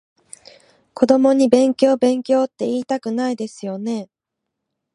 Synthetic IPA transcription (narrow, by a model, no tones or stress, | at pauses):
ko̞d̪o̞mo̞ɲ̟ibẽ̞ŋkʲo̞ːbẽ̞ŋkʲo̞ːt̪ːe̞iːt̪akɯ̟naid̪e̞sɨjo̞ne̞